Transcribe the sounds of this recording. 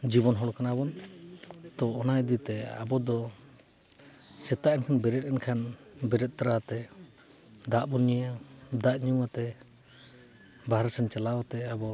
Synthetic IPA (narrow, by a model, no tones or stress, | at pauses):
d͡ʒibɔnɦɔɽɔkʰanabɔn | t̪ɔɔnajd̪it̪ɛa̰bɔd̪ɔ | sɛt̪aʔɛnkʰanbɛɾɛt̪̚ɛnkʰanbɛɾɛt̪̚t̪aɾat̪ɛ | d̪aʔbɔnijad̪aʔɲuat̪ɛ | baɦɾasɛnt͡ʃalawat̪ɛabɔ